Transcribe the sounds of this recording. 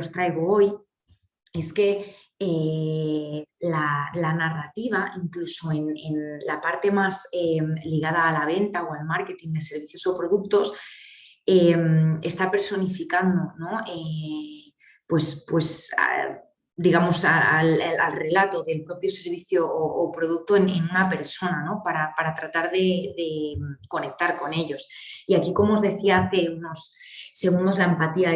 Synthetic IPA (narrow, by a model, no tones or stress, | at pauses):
ost̪ɾajɣ̞oo̞j | e̞ske̞ | e | lalanarat̪iβ̞aiŋklusoe̞nenlapaɾt̪e̞mazemliɣ̞að̞aːlaβ̞e̞nt̪aoalmaɾke̞t̪ind̪e̞se̞ɾβ̞iθjo̞so̞pɾo̞ðuk̚t̪o̞s | eme̞st̪ape̞ɾso̞nifikand̪ono̞e | pwe̞spwe̞sa̰ | d̪iɣ̞amo̞saalaa̰lre̞lat̪o̞ðe̞lpɾo̞pjo̞se̞ɾβ̞iθjo̞ːpɾo̞ð̞uk̚t̪oenenunape̞ɾso̞nano̞paɾapaɾat̪ɾat̪aɾðe̞ðe̞mko̞ne̞k̚t̪aɾko̞ne̞ʎo̞siakiko̞mo̞ːzðe̞θiaθe̞uno̞s | se̞ɣund̪o̞zlaempat̪ia